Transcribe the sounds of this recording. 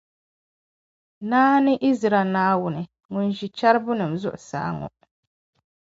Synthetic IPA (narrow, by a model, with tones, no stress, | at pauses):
naː˦nɪ˦ʔi˦zɾa˨naː˦wʊ˨nɪ˨ | ŋʊ˨n˨ʒi˨t͡ʃa˦ɾbʊ˦nɨ˨m˨zʊ˦ʔʊ˨sa̰ː˨˦ŋɔ̰˨